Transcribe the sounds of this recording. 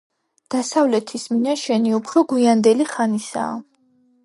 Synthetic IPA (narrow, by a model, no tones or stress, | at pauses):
d̪̥asavlɛt̪ʰisminaʃɛniupʰɾɔɡwiand̪ɛliχanisa̰ː